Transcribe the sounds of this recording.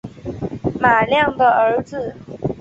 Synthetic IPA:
ma˨˩ljɑ˥˩ŋd̪ə˨˩ə˧˥d͡zɹ̩˧

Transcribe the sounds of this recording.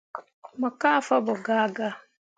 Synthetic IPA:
ma˨ka˦˨fa˦bɔ˨ɡaː˦ɡa˦

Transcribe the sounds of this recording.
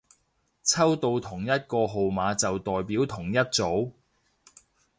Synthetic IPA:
t͡sʰɐ˥wt̪o˧wt̪ʰʊ˨˩ŋjɐ˥t̚kɔː˧ɦo˨wmaː˨˧t͡sɐ˨wt̪ɔː˨jpiː˨˥wt̪ʰʊ˨˩ŋjɐ˥t̚t͡so˨˥w

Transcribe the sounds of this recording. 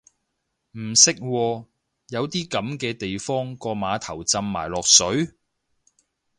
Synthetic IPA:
m̩˨˩sɪ˥k̚wɔː˧ | jɐ˨˧wt̪iː˥kɐ˨˥mkɛː˧t̪e˨jfɔː˥ŋkɔː˧maː˨˧t̪ʰɐ˨˩wt͡sɐ˧mːa̰ː˨˩jlɔː˨k̚sɵ˨˥ɥ

